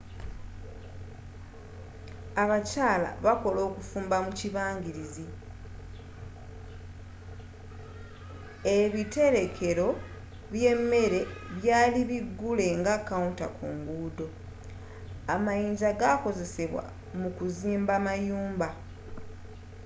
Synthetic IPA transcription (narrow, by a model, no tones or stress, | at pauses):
aβacaːla̰βako̞lo̞ːkufuːmbamuciβaːŋɟiɾizi | e̞βite̞ɾe̞kʰe̞ɾo̞ | βje̞mːe̞ɾe̞βjaːliβiɡːule̞ŋɡakaunta̰kʰuːŋɡuːdo̞ | amajiːɲɟaɡako̞ze̞se̞βwa̰ | mukuziːmbamajuːmba